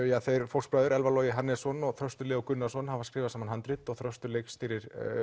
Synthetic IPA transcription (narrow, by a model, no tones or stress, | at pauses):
jaθejɾfowlkspɾaːðʏɾɛlvalɔːjɪɦanːɛsɔnɔɣθɾœst̪ʏɾlɛːɔkʏnːasɔnhavaskɾɪːvasaːmanɦant̪ɾɪt̪ɔɣθɾœst̪ʏɾlejkst̪iːɾɪɾ̥